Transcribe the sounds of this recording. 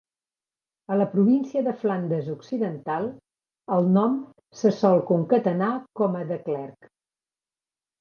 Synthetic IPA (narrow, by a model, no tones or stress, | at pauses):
ələpɾuβinsiəðəfland̪əzuksiðənt̪alˠ | əlˠnɔm | səsɔlˠkuŋkət̪ənakɔməðəklɛrk